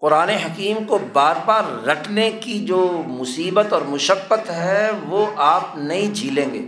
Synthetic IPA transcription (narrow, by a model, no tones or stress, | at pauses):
qʊɾaːneɦɐkiːmkobaːɾbaːɾːɐʈʰnekid͡ʒoːmʊsiːbət̪ɔːɾmʊʃəkːət̪ɦɛʋoʔaːpnɐɦĩd͡ʒʱiːlẽːŋɡḛː